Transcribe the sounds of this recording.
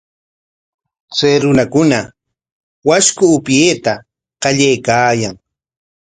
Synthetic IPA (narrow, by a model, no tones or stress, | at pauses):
t͡sajɾʊnakʊna | waskʊːpjeːt̪a | qɑʎajkaːjaŋ